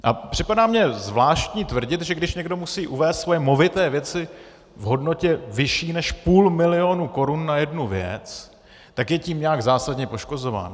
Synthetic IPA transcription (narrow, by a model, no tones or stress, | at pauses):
ʔapr̝̥ɪpadaːmɲɛzvlaːʃt̪ɲiːt̪vr̩ɟɪt̪ʒɛɡdɪʃɲɛɡdo̞musiːʔuvɛːst̪svo̞jɛmo̞vɪt̪ɛːvjɛt͡sɪ | vɦo̞dno̞cɛvɪʃiːnɛʃpuːlmɪlɪo̞nuko̞ɾunːajɛdnuvjɛ̰t͡s | t̪akjɛciːmɲɛaɡzaːsadɲɛpo̞ʃko̞zo̞va̰ːn